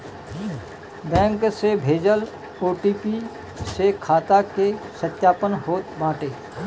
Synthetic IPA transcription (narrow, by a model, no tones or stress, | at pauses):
bɛ̃ːŋksebʱeːd͡ʒəl | oːʈiːpi | sekʰaːt̪akesət̪ːjaːpənɦoːt̪bãːʈeː